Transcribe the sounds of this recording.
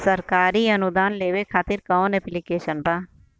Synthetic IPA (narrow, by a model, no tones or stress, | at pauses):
səɾkaːɾiɐnʊd̪aːnleːʋekʰaːt̪ɪɾkɐõnɛplikeːʃənbaː